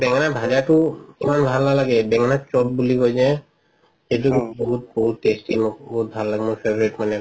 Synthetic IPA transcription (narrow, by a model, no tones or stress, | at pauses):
bɛŋanabʱad͡ʒaʈukimanbʱalnalaɡebɛŋanat͡ʃɔʈ̚bulikojd͡ʑe | ʃed͡ʒoɡubɔɦut̪̚bɔɦut̪ʈesʈimɔbɔɦut̪̚bʱallaɡemɔnfebɾeʈmane